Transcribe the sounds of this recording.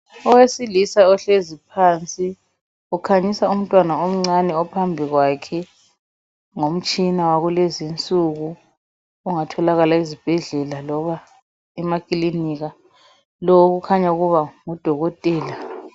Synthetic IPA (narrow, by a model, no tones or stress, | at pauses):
ɔwesilisaɔɬezipʰant͡sʼi | ukʰaɲisaum̩tʼwanaom̩ŋ͡ǀanɛɔpʰambʱiɣwakʰɛ | ŋom̩t͡ʃʼinawaɣulezint͡sʼuɣu | uŋatʰɔlaɣalaizib̥ʱɛɮɛlalɔβa | ɛmakʼiliniɣa | lɔoɣukʰaɲauɣuβaŋud̥ʱɔɣɔtʼɛːla